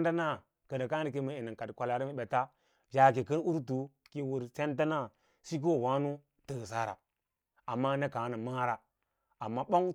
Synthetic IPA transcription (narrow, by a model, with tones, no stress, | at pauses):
nda˦na˦˨ | kə˨da˨ka˦i˨k̬i˦mə˨i˨ni˨ŋka˨dkʷa˨la˨ɾi˦mi˨ɓe˨ta˦ | vʲa˨k̬i˨kə˦n˦u˦ɾtu˨ki˨wu˨ɾse˦nta˦na˦˨ | si˦k̬o˦˨wa˦nu˦ | tə˨sa˦ɾa̰˨ | a˨mːa˦ne˦ka˨˦na˨ma˦ɾa˨ | a˨mːa˦ɓo˦ŋ